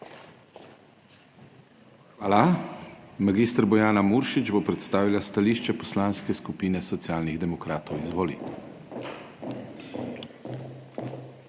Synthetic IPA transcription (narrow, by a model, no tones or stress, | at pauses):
xʋaːla | maɡiːst̪ɾbɔjaːnamuɾʃid͡ʒbopɾɛt̪st̪aːʋilast̪aliːʃt͡ʃɛpɔslaːnskɛskupiːnɛsɔt̪sijaːlniɣd̪ɛmɔkɾaːt̪ɔwizʋɔːlḭ